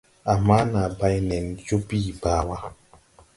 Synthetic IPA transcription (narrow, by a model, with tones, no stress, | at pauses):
a˨ma˦na˨ba˦jnɛ˨n˨d͡ʒo˦biː˦baː˦˨wa˦